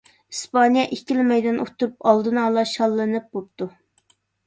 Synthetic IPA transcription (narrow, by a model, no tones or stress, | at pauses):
ispɑnijɑʔekʲilmɛjd̪ɛnʔot̪ʰːuɾupɑlˠd̪ɨnɑːlˠɑʃɑlˠːɨnɨp̚bop̚t̪u